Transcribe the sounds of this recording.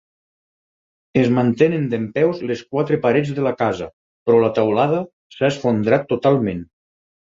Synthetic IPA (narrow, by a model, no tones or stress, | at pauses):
ezmant̪enend̪empɛwzleskwat̪ɾepaɾed͡zðelakazɐ | pɾɔlat̪awlað̞ɐ | saesfond̪ɾat̪ːot̪alˠmẽn